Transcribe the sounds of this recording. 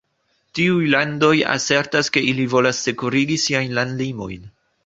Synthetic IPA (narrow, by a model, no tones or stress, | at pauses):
tiujlando̞ja̰se̞ɾtaske̞ilivo̞lasːe̞kuɾiɡisiajnlandlimo̞̰jn